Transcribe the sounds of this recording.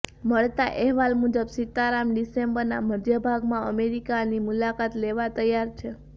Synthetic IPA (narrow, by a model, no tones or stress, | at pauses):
məɭt̪aʔɛɦʋalmud͡ʒəbsɪt̪ːaɾamɖisembəɾnaməɾd̪jəbʱaɡmãəmeɾikanimulakat̪leʋat̪əjːaɾt͡ʃʰe